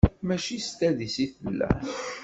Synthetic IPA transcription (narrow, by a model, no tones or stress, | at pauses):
mæt͡ʃist̪æðisiθəlːæ̰n